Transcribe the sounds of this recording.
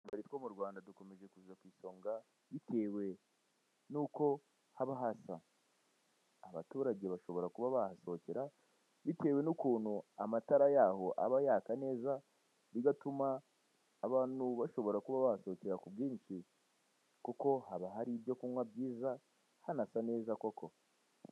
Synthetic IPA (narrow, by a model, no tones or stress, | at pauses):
ɡaɾitwo̞muɾɡwaːndaduko̞me̞ʒe̞kuzuzakwiːso̞ːŋɡa | βite̞ːwe̞ | nuːko̞ | haβaɦasa | βa̰tuːɾaɟe̞βaʃo̞βo̞ɾakuβaβahaso̞ceɾa | βite̞we̞nukuːnhuamataɾajaho̞ʔa̰βajaːkane̞ːza | βiɡatumaː | βaːnuβaʃo̞βo̞ɾakuβaβahaso̞ːceɾakubɡiːnʃi | kuko̞haβaɦaɾiβjo̞kuŋwabɟiːza | hanasane̞ːzakokʰo̞